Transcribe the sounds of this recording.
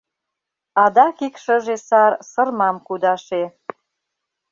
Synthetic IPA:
ɑd̪ɑkikʃəʒesɑrsə̆rmɑmkud̪ɑʃe

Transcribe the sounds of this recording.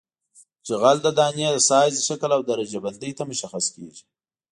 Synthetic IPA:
t͡ʃɪɣald̪əd̪ɑnjed̪əsɑjzʃaklawd̪aɾad͡ʒaband̪əjt̪amʊʃaxaskḛʒi

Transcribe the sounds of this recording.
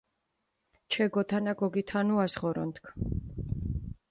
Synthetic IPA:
t͡ʃʰɛɡɔt̪ʰanaɡɔɡit̪ʰanuasʁɔɾɔ̰nt̪kʰ

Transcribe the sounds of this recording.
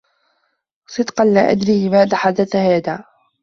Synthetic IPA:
sˤɨd̪qɑnlaːʔa̰d̪ɾiːʔɪmaːd̪aħad̪aθhaːðaː

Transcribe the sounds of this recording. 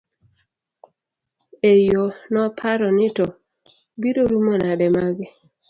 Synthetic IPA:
ejonɔpʰaɾɔnɪtɔ | biɾoɾumonadɛmaɡɪ

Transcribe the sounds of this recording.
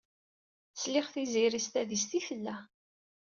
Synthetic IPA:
slɪχθiziɾist̪æðist̪iθəlːæ

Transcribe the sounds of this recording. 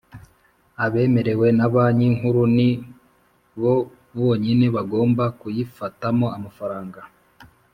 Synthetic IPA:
aβe̞ːme̞ɾe̞we̞naβaɲiŋɦuɾuni | βo̞ | βoɲine̞βaɡo̞ːmbakujifatamo̞amafaɾaːŋɡa

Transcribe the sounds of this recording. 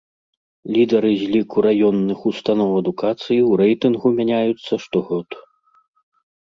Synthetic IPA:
lʲid̪ɐɾɨzʲlʲikuɾajɔnːɨxust̪anɔwɐd̪ukat̪sɨjiwɾɛjt̪ɨnɣumʲanʲajut̪sːɐʂt̪ɔɣɔt̪u̥

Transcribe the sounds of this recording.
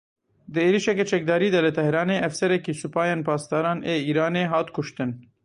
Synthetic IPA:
d̪ɨeːɾiʃɛkɛt͡ʃɛk̚d̪ɑːɾiːd̪ɛlɨt̪ɛhɾɑːneːʔɛfsɛɾɛkiːsupɑːjeːnpʰɑːst̪ɑːɾɑːnʔeːiːɾɑːneːɦɑːt̪kʰʊʃt̪ɨn

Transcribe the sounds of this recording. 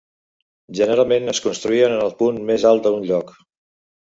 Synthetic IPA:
ʒənəɾalˠmenəskunst̪ɾuiənənəlˠpunmezalˠt̪əunʎɔk

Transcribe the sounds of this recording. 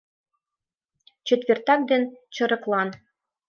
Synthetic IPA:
t͡ɕɘ̆t̪ʋʲert̪ɑk̚d̪ʲent͡ɕɤ̆ɾɤ̆klˠɑn

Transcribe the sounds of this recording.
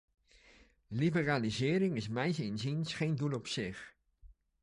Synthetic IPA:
libəraːlizɪːɾɪŋɪsmɛjsɪnzinsχejndulˠɔpsɪχ

